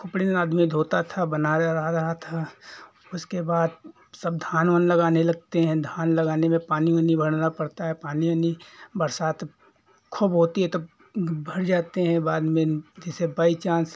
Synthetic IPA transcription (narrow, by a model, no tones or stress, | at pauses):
kʰʊpɽinaːd̪mid̪ʱoːt̪at̪ʰabɐnaɾɐɦaɾɐɦat̪ʰa | ʊskebaːd̪ | sɐb̚d̪ʱaːnʋənlɐɡaːnelɐɡ̚t̪eɦɛ̃d̪ʱaːnlɐɡaːnemẽpaːnijõnĩbʱɐɽ̤napəɽt̪aɦɛpaːnijõnibɐɾsaːt̪ | kʰʊbɦoːt̪iɦɛ̃t̪o | bʱɐɽd͡ʒaːt̪eɦɛ̃baːd̪mẽd͡ʒɛːsebəit͡ʃãːns